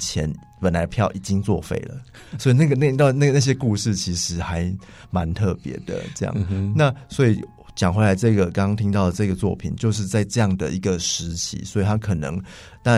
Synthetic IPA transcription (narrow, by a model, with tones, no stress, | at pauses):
t͡ɕʰjɛ˧˦n | pə˨˩nla˧˦ɪpʰjɑ˥˨ʊʔi˨˩t͡ɕi˦ŋt͡swɔ˥˧fḛ˥˩ɪlə̰˩ | swɔ˧˥i˨na˥˩ɡə˩na˥˧n˥˧na˥˩˨na˥˩ɕ̬je˦˥ku˥˧ʂɻ̩˥˩t͡ɕʰi˧˥ʂɻ̩˧˥xa˧˦˥ɪ | ma˧˦nt̪ʰɤ˥˩pjɛ̰˧˥˦d̪ə̰˨ʈ͡ʂɤ˥˧jɑ̰˨˩na˥˨swɔ˧˥i˨˩ | t͡ɕjɑ˨˩ŋxwe˧˥ɪla˧˥ɪʈ͡ʂɤ˥˩ɡə˩kɑ˥ŋkɑ˦ŋt̪ʰi˥ŋt̪ɑ˥˩ʊd̪ə˩ʈ͡ʂɤ˥˧ɡə˩t͡swɔ̰˥˩pʰḭ˨˩nt͡ɕjo˥˧ʊʂ̬ɻ̩˥˧t͡sa˥˧ɪʈ͡ʂɤ˥˧jɑ˥˩ŋd̪ə̰˨i˧˥ɡə˨ʂɻ̩˧˥t͡ɕʰḭ˧˥˦swɔ˧˥i˨t̪ʰa˥kʰɤ˨˩nɤ̰˧˦ŋ | t̪ɑ˥˨